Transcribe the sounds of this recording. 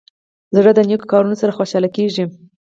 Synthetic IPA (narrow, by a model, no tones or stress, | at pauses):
zɽəd̪ənjokkɑɾunosaɾaxoʃɑlakeʐi